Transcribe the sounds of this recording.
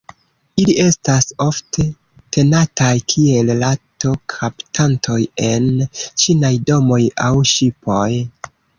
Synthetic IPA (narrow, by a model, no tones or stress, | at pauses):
ilie̞staso̞ftʰe̞ | tʰe̞natajkʰie̞llato̞kʰaptʰantʰo̞je̞nt͡ʃinajdo̞mo̞ja̰wʃipo̞j